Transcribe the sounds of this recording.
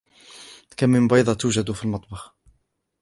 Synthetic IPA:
kamːɪmbɑjd̪ˤɑt̪uːʒad̪ufilmɑt̪ˤbɑx

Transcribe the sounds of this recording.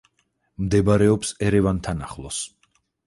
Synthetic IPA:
md̪ɛbaɾɛɔpsɛɾɛvant̪ʰanaχlˠɔs

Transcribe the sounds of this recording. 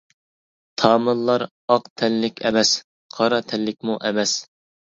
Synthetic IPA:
t̪ʰɑːmɨnlˠɑɾ | ɑqt̪ʰɛlːɪkʲɛmɛs | qʰɑɾɑt̪ʰɛlːɪk̚ʲmuʔɛmɛs

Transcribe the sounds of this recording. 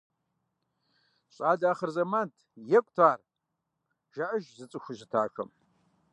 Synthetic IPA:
ɕʼaːdaːχɐrzɐmaːntʰjɛkʷʼtʰaːr | ʒ̥aʔɐʒzɨt͡sʼɨxʷʊʑɨtʰa̰ːxɐ̰m

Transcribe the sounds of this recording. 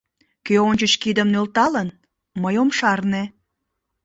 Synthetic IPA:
køonʲt͡ɕət͡ɕkid̪əmnølt̪ɑlən | məjomʃɑrne

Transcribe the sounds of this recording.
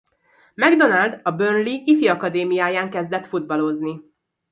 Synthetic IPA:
mɛɡd̪o̞nald̪ɒbønliifiɒkɒd̪eːmijaːjaːŋkɛzd̪ɛt̪fud̪̚bɒlo̞zni

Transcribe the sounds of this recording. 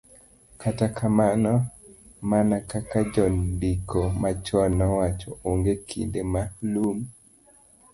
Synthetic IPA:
kʰatakʰamanɔ | manakakad͡ʒɔndikʰomat͡ʃɔnːɔwat͡ʃooŋɡekʰḭndemalum

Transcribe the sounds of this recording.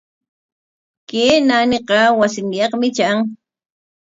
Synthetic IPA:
keːnanɪqɑwasɪŋjɑqmɪt͡ʃaŋ

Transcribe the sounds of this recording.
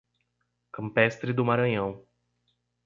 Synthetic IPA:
kɐ̃mpɛst̪ɾɪd̪ʊmaɾɐ̃ɲɐ̃w̃

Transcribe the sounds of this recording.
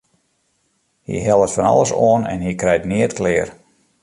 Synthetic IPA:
hḭɦɛlˠətfɔnɑ̰lˠəsoənɛ̰nhikrɛjtnɪətklɪːər

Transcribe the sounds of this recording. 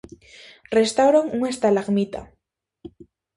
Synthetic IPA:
rest̪awɾoŋuŋest̪alaɣmit̪a̰

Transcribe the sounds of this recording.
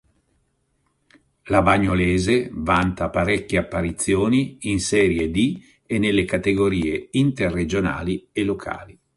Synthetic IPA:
labaɲːoleːzevant̪apaɾɛkʲːjeapːaɾit̪sːjoːniinsɛːɾjed̪i | enːelːekat̪eɡoɾiːeint̪erːed͡ʒona̰ːlielːokʰa̰ːli

